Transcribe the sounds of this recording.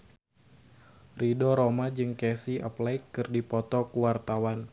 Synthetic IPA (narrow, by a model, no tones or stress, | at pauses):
ridɔɾomad͡ʒɨŋkɛsia̰plaɪkːɨrdipɔt̪ɔkuwart̪awan